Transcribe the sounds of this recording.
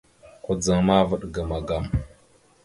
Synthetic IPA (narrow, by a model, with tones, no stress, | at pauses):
ku˨d͡zə˨ŋma˦və˦ɗɡə˨ma˨ɡa˨m